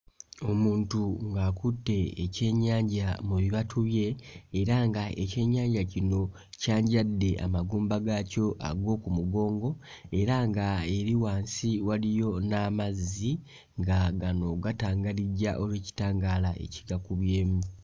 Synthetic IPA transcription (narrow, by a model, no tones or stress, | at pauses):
o̞muːntuŋɡaːkutːe̞ːce̞ːɲːaːɲɟamuβiβatʰuβje̞ːɾaŋɡaʔe̞ce̞ːɲːaːɲɟacino̞ | caːɲɟadːe̞a̰maɡuːmbaɡaco̞ʔa̰ɡo̞ːkumuɡo̞ːŋɡo̞ | e̞ɾaŋɡae̞ɾiwaːnsiwalijo̞namazi | ŋɡaɡano̞ɡataːŋɡaliɟaʔo̞lweːci̥taːŋɡaːlaʔe̞̰ci̥ɡakuβje̞ːmu